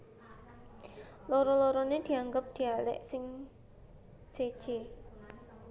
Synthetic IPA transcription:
lɔɾɔlɔɾɔned̪̥i̤aŋɡəp̚d̪̥i̤alɛ̰ʔsɪŋ | sed̥ʒ̥e

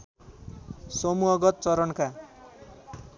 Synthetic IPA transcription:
sʌmuɦʌɡʌt̪̚t͡sʌɾʌnka

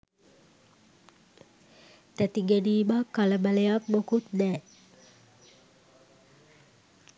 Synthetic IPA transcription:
t̪æt̪iŋɡeniːmakːaləmalejakmokut̪̚nɛː

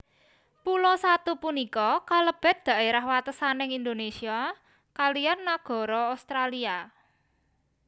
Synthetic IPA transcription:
pulɔsat̪upunikɔkaləb̥ɛ̤t̪̚d̪̥a̤eɾahwat̪əsanɪŋind̪onesia | kalijarnaɡ̥ɔ̤ɾɔast̪ɾalia

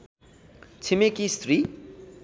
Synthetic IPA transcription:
t͡sʰimekist̪ri

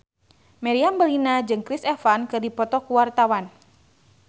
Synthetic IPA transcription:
mɛɾiambəlinad͡ʒɨŋkɾisɛfankɨrdipɔt̪ɔkuwart̪awan

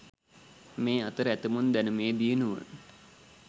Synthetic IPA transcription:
meːat̪əɾəæt̪əmund̪ænəmeːd̪iənuʋə̰

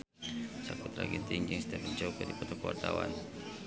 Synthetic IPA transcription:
sakʊt̪laɡint̪ɪŋd͡ʒɨŋsi̥t̪apəɲt͡ʃaukadipɔt̪ɔkəwa̰rt̪awa̰n

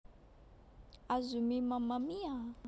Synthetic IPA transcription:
azumimamamia

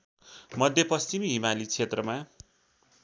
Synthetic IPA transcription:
mʌd̪ʱjʌpʌst͡simiɦimalit͡sʰet̪rʌma

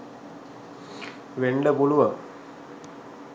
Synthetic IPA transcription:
ʋeɳɖəpuluʋə

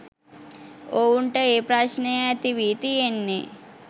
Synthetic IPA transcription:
oːuɳʈeeːpɾaːʃneɐt̪iʋiːt̪ienːe

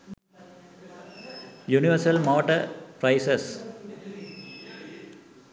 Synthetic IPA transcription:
juniʋəɾsɐlmɔːʈɐpɾaɪses

